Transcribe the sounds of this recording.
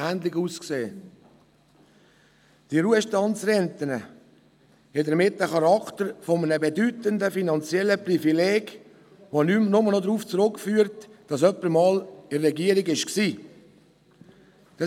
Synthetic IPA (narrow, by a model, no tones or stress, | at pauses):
æːndlɪɡuːskseː | d̥iɾuəʃtɑnt͡sɾɛntənə | hɛdəɾmɪtːəχɑɾɑktəɾfɔmənəbedytəndəfinɑnt͡sjɛlːəprifileːɡ | ʋonymnʊmənod̪ɾuːft͡sɾʊkːfyːəɾtd̥ɑsœpːəɾmɑːlɪrːɛɡiəɾɪɡɪʃksiː | d̥ɑ